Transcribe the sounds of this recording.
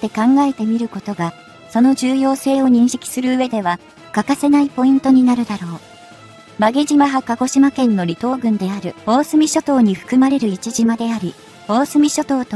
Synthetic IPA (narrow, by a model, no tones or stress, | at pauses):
t̪e̞kãŋɡae̞t̪e̞mʲiɾɯ̟ko̞t̪o̞ɡa | so̞no̞ʑɨːjo̞ːse̞ːo̞ɲ̟ĩɰ̃ɕi̥kʲi̥sɨɾɯ̟ɯ̟e̞d̪e̞β̞ḁ | kakase̞naipo̞ĩnt̪o̞ɲ̟inaɾɯ̟d̪aɾo̞ː | maɡeʑimaɦakako̞ɕimakẽ̞nːo̞ɾʲit̪o̞ːɡɯ̟̃nd̪e̞aɾɯ̟o̞ːsɨmʲiɕo̞t̪o̞ːɲ̟iɸɯ̟̥kɯ̟maɾe̞ɾɯ̟it͡ɕiʑimad̪e̞aɾʲi | o̞ːsɨmʲiɕo̞t̪o̞ːt̪o